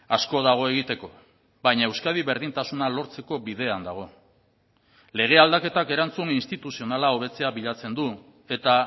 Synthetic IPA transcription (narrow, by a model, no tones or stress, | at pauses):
asko̞ðaɣ̞o̞e̞ɣ̞it̪e̞ko̞ | bajɲaewskað̞iβe̞ɾðint̪asunalo̞ɾt͡se̞ko̞biðe̞and̪aɣ̞o̞ | le̞ɣ̞e̞ald̪ake̞t̪ake̞ɾant͡suninst̪it̪usio̞nalao̞βe̞t͡se̞aβiʎat͡se̞nd̪u | e̞t̪a